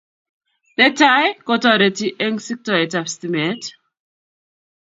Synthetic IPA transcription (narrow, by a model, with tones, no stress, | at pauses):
ne˦ta˦jko˦tɔ˦˨ɾe˨ti˦ʔe˦ŋsi˦k̚tɔ˨e˨ta˨fsti˦me˨˦t